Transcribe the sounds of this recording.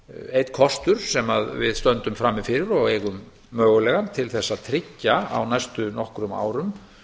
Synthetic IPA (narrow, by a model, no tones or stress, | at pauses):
ejt̪kʰɔst̪ʏɾ̥sɛmaðvɪ̰ðst̪œnt̪ʏmfɾamːɪfɪɾɪɾɔɣejɣʏmː | œːɣʏlɛɣant̪ʰɪlθɛsːaðt̪ʰɾɪcːaa̰wnajst̪ʏnɔhkɾʏma̰ːwɾʏm